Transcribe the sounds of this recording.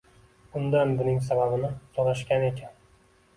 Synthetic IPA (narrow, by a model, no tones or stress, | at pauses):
ʊnd̪anbʊnɪŋsababɪnɪt̪ʰɒlaʃkʲane̞kʲʰan